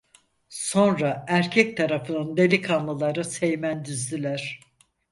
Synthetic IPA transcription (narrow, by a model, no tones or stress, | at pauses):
so̞nɾaæɾcʰɛc̚t̪ʰaɾafɯnɯnd̪e̞lʲikʰanlˠɯlˠaɾɯsejmænd̪yzd̪ilʲæɾ̥